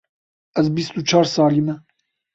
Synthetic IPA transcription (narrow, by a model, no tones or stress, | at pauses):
ɛzbist̪ut͡ʃʰɑːɾsɑːlimɛ